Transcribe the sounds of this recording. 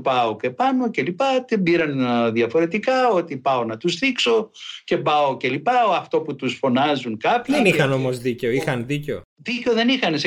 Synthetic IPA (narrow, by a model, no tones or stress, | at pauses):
pɐokepɐno̞ce̞lipɐt̪ebiɾɐnðiɐfo̞ɾe̞t̪ikɐo̞t̪ipɐo̞nɐt̪usθikso̞ce̞bɐoce̞lipɐoɐft̪o̞put̪usfo̞nɐzuŋkɐpçɐenixɐno̞mo̞zðiceoixɐnðiceoðiceoðe̞nixɐns